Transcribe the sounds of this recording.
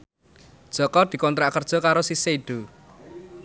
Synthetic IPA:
d̥ʒ̥ɔ̤kɔd̪̥i̤kɔnt̪ɾaʔkərd̥ʒ̥ɔ̤kaɾosiseiɖ̪̥o̤

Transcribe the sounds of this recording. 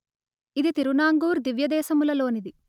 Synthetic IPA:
id̪it̪iɾunaːŋɡuːɾd̪iʋjɐd̪ɛːsɐmulɐlo̞ːnid̪i

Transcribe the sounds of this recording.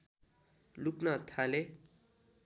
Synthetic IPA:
luknʌt̪ʰale

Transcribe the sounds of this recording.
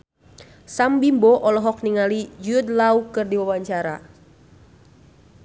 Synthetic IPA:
sambimbɔʔɔlɔɦɔk̚niŋalid͡ʒuud̪laukɨrdiwawaɲt͡ʃaɾa̰

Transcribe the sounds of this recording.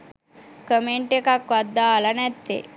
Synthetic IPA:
kəmeɳʈekakʋad̪ːaːlɐnɛt̪ːḛ

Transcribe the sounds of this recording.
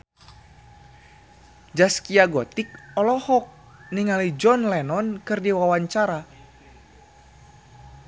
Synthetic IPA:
d͡ʒaskiaɡɔt̪ik̚ɔlɔhɔk̚ | niŋalid͡ʒɔnlɛnɔnkɨrdiwawaɲt͡ʃaɾa

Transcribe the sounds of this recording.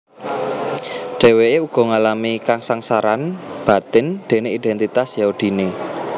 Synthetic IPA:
ɖ̥e̤weeuɡ̥ɔ̤ŋalamikaŋsaŋsaɾanb̥ä̤t̪ɪnd̪̥e̤neid̪̥ɛnt̪it̪asjaud̪̥i̤ne

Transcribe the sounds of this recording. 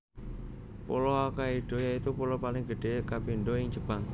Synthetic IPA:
pṵlɔakaiɖ̥o̤jait̪upulɔpalɪŋɡ̥əɖ̥e̤kapiɳɖoɪŋd͡ʒəb̥aŋ

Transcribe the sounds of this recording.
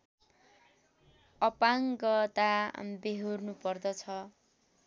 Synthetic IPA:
ʌpaŋɡʌt̪abeɦornupʌrd̪ʌt͡sʰʌ

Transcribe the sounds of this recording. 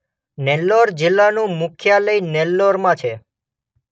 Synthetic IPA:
nɛlːɔɾd͡ʒɪlːanũmʊkʰjaləinɛlːɔɾmãt͡ʃʰe

